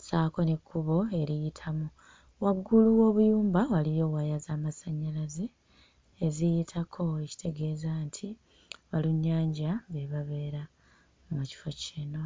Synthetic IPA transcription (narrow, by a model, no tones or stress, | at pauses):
saːko̞nekʰːuβo̞e̞ɾijitʰamu | waɡːuluwo̞ːβujuːmbawalijo̞wajazaːmasaɲːalazeː | zijitʰakʰo̞eci̥tʰe̞ɡe̞ːzantʰi | βaluɲːaːɲɟaβeβaβe̞ːɾa | muci̥fo̞ciːno